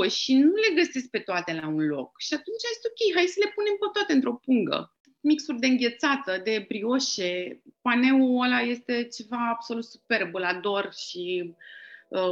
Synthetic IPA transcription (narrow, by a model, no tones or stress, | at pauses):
ʃinule̞ɡəsesk̚pe̞t̪oat̪e̞launlo̞̰kʃiat̪unt͡ʃajei̥st̪okʲe̞jɦajsəle̞pune̞mkət̪wat̪eɨnt̪ɾo̞puŋɡə̰ | miksurʲd̪e̞ɨŋɡʲe̞t̪sat̪əd̪e̞pɾio̞ʃe̞pane̞uəlaje̞st̪e̞t͡ʃe̞vaːb̥so̞lut̪supe̞rbulad̪o̞rʃi | ə